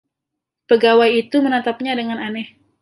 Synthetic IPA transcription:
pəɡawajit̪umənat̪ap̚ɲadəŋananɛh

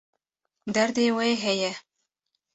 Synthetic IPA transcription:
d̪aɾd̪eweɦeje

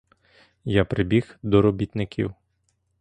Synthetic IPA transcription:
japɾɪbʲixd̪ɔɾɔbʲit̪nɪkʲḭw

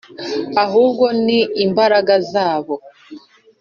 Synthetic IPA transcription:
aɦuːbɡo̞niːmbaɾaɡazaːβo̞

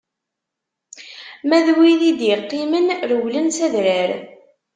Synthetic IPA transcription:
mæðwiðid̪jəqːimənɾəwlənsæðɾəɾ

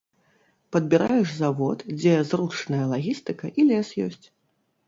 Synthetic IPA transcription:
pɐd̪̚bʲiɾajɛʂzavɔt̪d͡zʲɛzrut͡ʂnɐjɐlˠaɣʲist̪ɨkɐʔilʲɛsjɔ̰sʲt͡sʲ

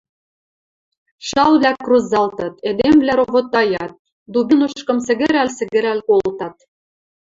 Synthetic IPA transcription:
ʃɑlvlʲækruzɑlt̪ɤt̪ed̪emvlʲæɾoβot̪ːɑjɑt̪̚ | d̪ubinoʃkɤ̆msɘ̆ɣɘ̆ɾælʲsɘ̆ɣɘ̆ɾælkolt̪ɑt̪̚

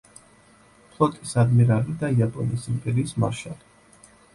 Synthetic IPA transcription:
pʰlˠɔt̪ʼisad̪miɾalid̪aiapʼɔnisimpʼɛɾiːsma̰ʃali

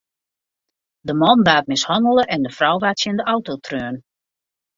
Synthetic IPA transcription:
dəmɔndaːt̚mɪshɔndəlˠəʔɛndəfrɔwʋaːtsjɪndəɔwtotrøːn

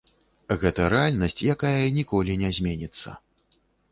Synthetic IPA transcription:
ɣɛt̪ɐɾɛalʲnɐsʲt͡sʲjakajɐnʲikɔlʲinʲɛzʲmʲenʲit̪sːɐ̰

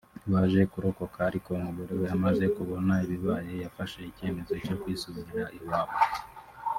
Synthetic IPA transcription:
iβaʒe̞kuɾo̞ko̞kaːɾiko̞muβuɾewojamaze̞kuβo̞naiβiβaje̞jafaʃe̞ice̞ːme̞zo̞co̞kwiːsuβiɾaʔiwaːβo

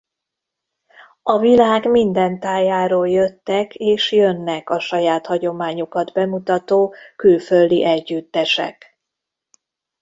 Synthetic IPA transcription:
ɒvilaːɡmind̪ɛnt̪aːjaːɾoːljøt̪ːɛkeːʃjønːɛkɒʃɒjaːt̪hɒɟo̞maːɲokɒd̪bɛmut̪ɒt̪oːkylføld̪iʔɛɟːyt̪ːɛʃɛ̰k

